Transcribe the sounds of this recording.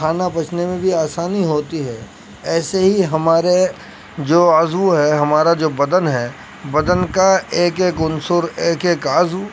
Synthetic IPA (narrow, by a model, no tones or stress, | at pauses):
aːnabɐt͡ʃʰnemẽbʱiaːsaːniɦoːt̪iɦɛː | ɛːseɦiɦɐmaːɾe | d͡ʒoːaːzuɦɛɦɐmaːɾad͡ʒoːbɐd̪ənɦɛ | bɐd̪ənkaeːkeːkʊnsʊɾeːkeːkaːzu